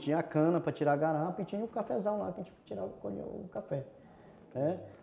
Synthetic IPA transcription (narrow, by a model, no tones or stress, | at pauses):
t͡ʃĩɲɐakɐ̃nɐpɾɐt͡ʃiɾaɡaɾapit͡ʃĩɲʊkafɛzãw̃la̰keẽt͡ʃkt͡ʃiɾaʊkoʎḛʊ̰kafɛ | nɛ